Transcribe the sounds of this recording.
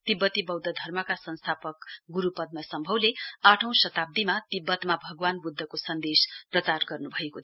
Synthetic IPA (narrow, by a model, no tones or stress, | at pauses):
t̪ibːʌt̪ibʌwd̪ʌd̪ʱʌrmʌkasʌnst̪ʰapʌkɡuɾupʌd̪̚masʌmbʱʌwleaʈʰʌ̃w̃sʌt̪ab̚d̪imat̪ibːʌt̪mabʱʌɡwanbud̪ʱːʌkosʌnd̪esprʌt͡sarɡʌrnubʱʌeko